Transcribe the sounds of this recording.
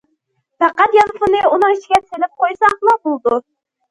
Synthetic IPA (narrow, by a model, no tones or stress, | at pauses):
pɑqɑt̪jɑnɨfʊnɨunɨŋit͡ʃʰiɡʲɛselɪp̚qojsɑχlˠɑbolˠɨd̪u